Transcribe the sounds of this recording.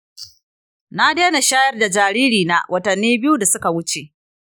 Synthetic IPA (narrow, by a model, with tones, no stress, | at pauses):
na˦deː˦na˨ʃaː˦jɐ˦rda˨d͡ʒaː˨ɾiː˦ɾiː˨na˦wʔɐ˦tɐ˨nːiː˦bɪ˦ju˦da˨sʊ˦ka˨wʊ˦t͡ʃe˨ʔ